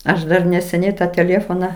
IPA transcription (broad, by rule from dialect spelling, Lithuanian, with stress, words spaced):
ˈɐʃ dɐr nʲɛsʲɛˈnʲɛɪ ˈtɑː tʲɛˈlʲeːfoːnɐ